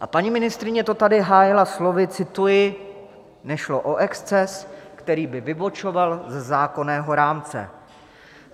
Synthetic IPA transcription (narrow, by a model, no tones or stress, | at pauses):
ʔapaɲimɪnɪst̪ɾɪɲɛt̪o̞t̪adɪɦaːjɪlaslo̞vɪt͡sɪt̪ujɪ | nɛʃlo̞ʔoʔɛkst͡sɛskt̪ɛɾiːbɪvɪbo̞t͡ʃo̞valzɛzaːko̞nɛːɦo̞ɾaːmt͡sɛ̰